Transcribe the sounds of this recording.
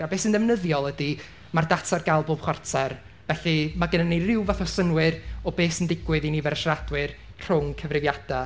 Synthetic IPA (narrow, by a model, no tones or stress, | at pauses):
abeːsənðɛvnəðjɔlˠədi | mardatʰarɡalˠboːb̥χwartʰar | vɛɬɨmaɡənənerɪwvaθɔsənwɨrɔbeːsəndɪɡwɨðinivɛɾəʃrad̥wɨr | r̥ʊŋkʰəvrɪvjad̥a